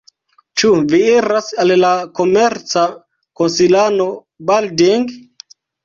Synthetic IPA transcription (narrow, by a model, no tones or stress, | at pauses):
t͡ʃuvieɾasallako̞meɾt͡sa | konsilano̞ | baldiŋɡ